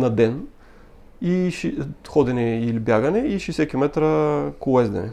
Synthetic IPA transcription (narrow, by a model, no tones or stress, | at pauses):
nɐd̪ɛn | iʃxɔd̪ɛnɛilibʲjaɡɐnɛiʃisɛkʲimɛt̪ɾəkʊlɛzd̪ɛ̰nɛ̰